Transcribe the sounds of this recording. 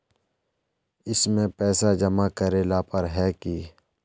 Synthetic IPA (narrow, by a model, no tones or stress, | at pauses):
ɪsmẽpɛːsad͡ʒɐmakəɾeːlapɐɾɦɛki